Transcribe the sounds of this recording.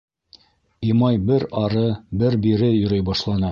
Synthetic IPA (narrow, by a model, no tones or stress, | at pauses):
imɑjbɘɾɑɾɤbɘɾbiɾɘjɵ̆ɾɤjbɑʃlˠɑnɤ